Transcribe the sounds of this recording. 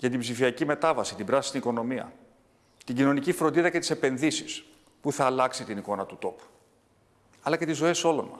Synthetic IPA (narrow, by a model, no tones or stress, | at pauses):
ʝɐt̪̬ibzifiɐcime̞t̪ɐvɐsit̪ibɾɐsist̪iniko̞no̞miɐ̰ | t̪iɟino̞nicifɾod̪iðɐce̞t̪i̥se̞pe̞nðisis | puθɐːlɐksit̪iniko̞nɐt̪ut̪o̞pu̥ | ɐlɐce̞t̪izo̞e̞so̞lo̞nmɐ̰s